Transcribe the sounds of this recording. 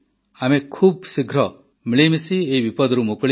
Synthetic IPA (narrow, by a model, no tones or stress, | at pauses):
amekʰuːb̚siɡʱɾɔ | miɭejmesieibipɔd̪ɾumokɭi